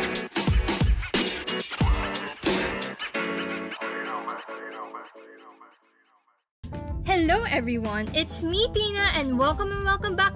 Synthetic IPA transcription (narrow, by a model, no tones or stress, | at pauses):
hɛloʊʔɛvɹiwʌ̃nɪt̪smit̪inɐʔɛ̃nwɛlˠkə̃mɛ̃nwɛlˠkə̃mbæk